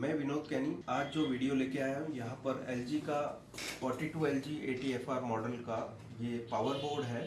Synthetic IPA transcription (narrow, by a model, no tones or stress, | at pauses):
mɛ̃ːʋɪnoːt̪kɛːniaːd͡ʒd͡ʒoːʋiːɖijoleːkeaːjaɦũjɐɦãpɐɾɛːld͡ʒika | fɔːɾʈiːʈuːɛːld͡ʒieːʈiɛːfʰaːɾmɔːɖəlka | jeːpaːʋəɾboːɾɖɦɛː